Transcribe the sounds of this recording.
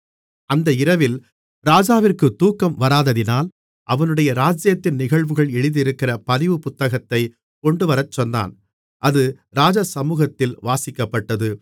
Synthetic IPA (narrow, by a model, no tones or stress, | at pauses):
ʔɐnd̪ɐɪɾɐʋɪl | ɾaːd͡ʒaːʋɪrkɯt̪uːkːɐmʋɐɾaːðɐðɪnaːl | ʔɐʋɐnɯɽɐjɐɾaːd͡ʒjɐt̪ːɪnnɪɣɐɭʋɯɣɐɭɛɻɯðɪɾɯkːɪrɐpɐðɪʋɯpʊt̪ːɐɣɐt̪ːɐɪ | kɔɳɖɯʋɐɾɐt͡ʃːɔnd̪a̰ːn | ʔɐðɯ | ɾaːd͡ʒɐsɐmuːɣɐt̪ːɪlʋaːsɪkːɐpːɐʈːɐðɯ